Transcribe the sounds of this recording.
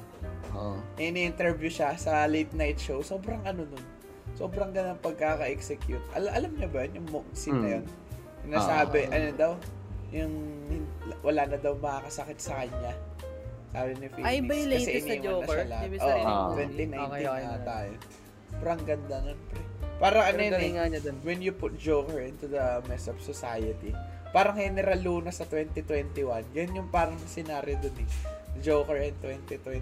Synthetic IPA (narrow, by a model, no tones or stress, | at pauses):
nɐʔɪniʔɪnt̪ɛɹvjuʃasɐlejt̪̚najt̪̚ʃowso̞ːbɾɐŋʔɐno̞no̞n | so̞ːbɾɐŋɡɐnɐŋpɐɡ̚kakɐʔɛksɛkjut̪̚ʔɐ̰ʔɐlamɲɐbɐjɐnjʊŋmok̚sɪnːɐjon | sɪnaːsaːbɛʔɐnod̪awjʊŋhɪnwʔɐlaːnɐd̪ɐwmɐkakɐsɐkɪt̪̚sɐkɐɲɲa | aːɾɪnɪfibɐɐɛʔɪnɐsɐlahʔowɛnt̪ɪnɐɪ̃jnt̪ɪŋat̪aːjo | bɾɐŋɡɐnd̪ɐnonpɾɛpaːɾɐŋʔɐnoj̪awɛnjʊpʊt̪̚d͡ʒowkɛɹʔɪnt̪ʊd̪ɐmɛsɔv̥sɔsajɐt̪i | paːɾɐŋhɛnɛɾɐluːnɐsɐt̪wɛnt̪ɪt̪wɛnt̪ɪwanɡɐjʊnjʊŋpaːɾɐŋɐsɪnaːɾjod̪onɪd͡ʒokɛɹʔɛnt̪wɛnt̪ɪt̪wɛ